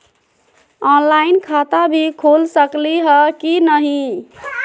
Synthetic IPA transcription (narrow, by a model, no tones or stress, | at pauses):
ɔnlainkʰat̪abʱikʰolsəkliɦəkinəɦi